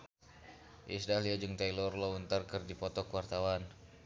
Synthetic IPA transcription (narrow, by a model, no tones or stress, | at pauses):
ʔisdahliad͡ʒɨŋt̪ailɔrlɔunt̪arkɨrdipɔt̪ɔkwart̪awan